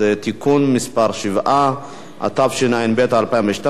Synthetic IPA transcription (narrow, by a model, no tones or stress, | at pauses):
et̪ikunmispaɾʃivʔa | ʔa̰t̪afʃenainbet̪alpaimveʃt̪a